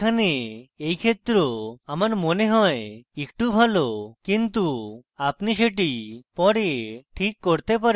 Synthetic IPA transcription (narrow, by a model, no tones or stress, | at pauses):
aneejkʰet̪ɾoamaɾmoneɦɔeekʈubʱalokint̪uapniʃeʈ̬ipɔɽeʈʰikːoɾt̪epaɾ